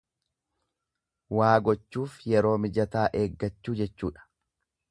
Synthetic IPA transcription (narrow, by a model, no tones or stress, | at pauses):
waːɡɔt͡ʃːuːfjɛɾo̞ːmɪd͡ʒɐt̪aːʔe̞ːɡːɐt͡ʃːuːd͡ʒɛt͡ʃːuːᶑɐ̥